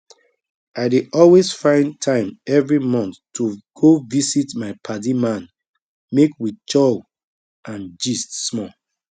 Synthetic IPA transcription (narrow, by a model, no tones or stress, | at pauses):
ʔaɪdeʔɔlwezfãɪ̃ntʰãɪ̃mɛvɹimɔ̃nθtːuɡ̥ovisitmaɪpʰadimãn | mekwit͡ʃɔl | ãnd͡ʒistːmɔ